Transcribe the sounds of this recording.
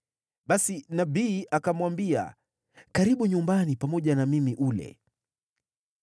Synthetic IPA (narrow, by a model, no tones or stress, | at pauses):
ɓasinaɓiːʔakamwambia̰ | kaɾiɓuɲumbanipamɔʄanamimiʔulɛ̰